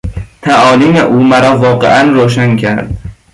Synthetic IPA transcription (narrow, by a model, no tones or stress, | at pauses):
t̪ʰæʔɒːlimeʔuːmæɾɒːvɒːɢḛʔænɾoːʃ̬ænkʰæɾd̪̥